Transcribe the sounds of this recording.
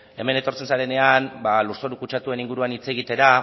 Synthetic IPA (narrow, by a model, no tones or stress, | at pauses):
e̞me̞ne̞t̪o̞ɾt͡se̞nsaɾe̞ne̞anbaluɾso̞ɾukut͡ʃat̪ue̞niŋɡuɾuanit͡se̞ɣ̞it̪e̞ɾa